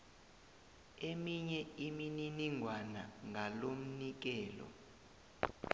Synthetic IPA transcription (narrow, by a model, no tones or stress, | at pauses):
emiɲɛimininiŋʱwanaŋʱalom̩nik̬ɛːlɔ̰